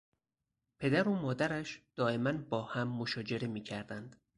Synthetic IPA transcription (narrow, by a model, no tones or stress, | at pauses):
pʰe̞d̪æɾomɒːd̪æɾæʃd̪̥ɒːe̞mænbɒːhæmːo̞ʃɒːd͡ʒe̞ɾe̞miːcʰæɾd̪ænd̪̥